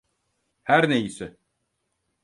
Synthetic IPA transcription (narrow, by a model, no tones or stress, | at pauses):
hæɾnejisɪ